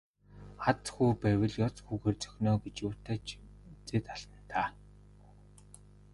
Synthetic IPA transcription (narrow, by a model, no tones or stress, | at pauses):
at͡s̪xuːpæwʲɪ̆ɮjɔt͡sxuːxeːrt͡sœ̥xʲnɔːɡet͡ɕjuːt̪aːt͡ɕ | t͡seːt̪aɮ̥t̪ə̆n̥t̪ʰaː